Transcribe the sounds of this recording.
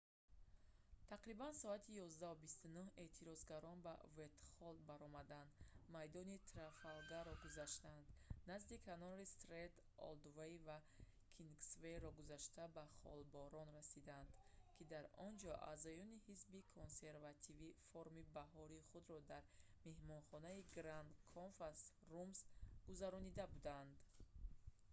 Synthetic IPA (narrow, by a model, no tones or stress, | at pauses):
t̪ʰaqɾibansɔat̪ʰijɔzd̪aɦubist̪unuhe̞t̪ʰiɾɔzɡaɾɔnba̰vet̪χɔld̪̚baɾɔmad̪and̪majd̪ɔnit̪ʰɾafalɡaɾɔɡuzaʃt̪and̪nazd̪ikʰanɔɾist̪ɾet̪ | ɔ̰ld̪vejva | kʰinɡsveɾɔɡuzaʃt̪abaχɔ̰lbɔɾɔnɾasid̪and̪kʰid̪aɾɔnd͡ʒɔʔa̰zɔjɔnihisbikʰonse̞ɾvat̪ʰivifoɾmibaɦɔɾiːχud̪ɾɔd̪aɾme̞hmɔnχɔnaiɡɾand̪kʰonfas | rumsɡ̥uzaɾɔnid̪abud̪and̪